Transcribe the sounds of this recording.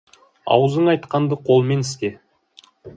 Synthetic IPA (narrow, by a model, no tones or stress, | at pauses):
ɑ̰wəzəɴɑjt̪qɑnd̪əqʰo̞lˠme̞nɪst̪e̞